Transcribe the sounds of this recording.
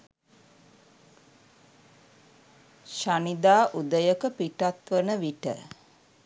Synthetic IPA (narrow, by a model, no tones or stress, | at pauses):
ʃanid̪aːʔud̪əjəkəpiʈat̪ʋənəʋiʈə̰